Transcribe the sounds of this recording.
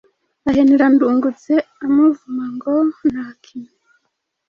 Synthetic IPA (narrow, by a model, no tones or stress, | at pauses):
aɦeniɾanduːŋɡut͡seamuvumaŋɡonakʰiɲe